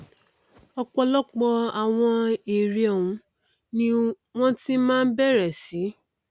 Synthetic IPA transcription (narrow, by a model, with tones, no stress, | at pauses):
ɔ˧k͡pɔ˧lɔ˦k͡pɔ˧a˨w̃ɔ̃˧e˨ɾi˧ɔ˨wũ˧ | nĩ˦ | w̃ɔ̃˦ti˦mãː˦n̩˦bɛ˦˨ɾɛ˨si˨˦